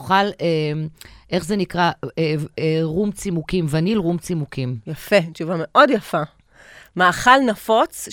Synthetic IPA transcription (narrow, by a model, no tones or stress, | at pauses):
χalemʔe̞χzenikʁaeeʁumt͡simukimvanilʁumt͡simukimjafet͡ʃuvameʔo̞djafa | maːχalnafo̞t͡s